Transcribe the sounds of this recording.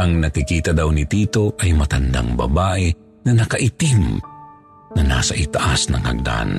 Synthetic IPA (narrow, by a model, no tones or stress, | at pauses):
ʔɐŋnɐkɪkiːt̪ɐd̪awnɪt̪iːt̪o̞ʔɐjmɐt̪and̪a̰ŋbɐ̰baːʔɛ | nɐnɐkɐʔɪt̪ɪm | nɐna̰ːsaʔɪt̪aʔa̰snɐ̰ŋhɐ̰ɡ̚d̪a̰n